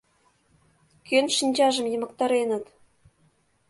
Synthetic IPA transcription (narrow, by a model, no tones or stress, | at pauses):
kønʃinʲt͡ɕɑʒə̆mjɤ̆mɤ̆k̚t̪ɑɾenə̆t̪